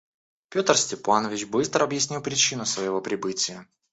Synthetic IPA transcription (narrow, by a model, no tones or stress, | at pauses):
pʲo̞t̪ərsʲtʲɪpanəvʲɪt͡ɕbɨst̪ɾəɐbjɪsʲnʲilˠpɾʲɪt͡ɕinʊsvəjɪvo̞pɾʲɪbɨtʲɪjə